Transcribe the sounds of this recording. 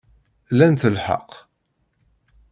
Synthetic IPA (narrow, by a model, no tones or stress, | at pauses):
lænt̪əlħə̰q